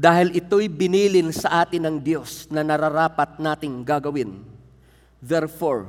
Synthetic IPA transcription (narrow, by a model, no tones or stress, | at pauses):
d̪aːhɪlʔɪt̪o̞jbɪniːlɪnsɐʔaːt̪ɪnɐŋd̪jo̞snɐnɐɾaɾaːpɐt̪̚naːt̪ɪŋɡaɡɐwɪn | d̪ɛɾfoɹ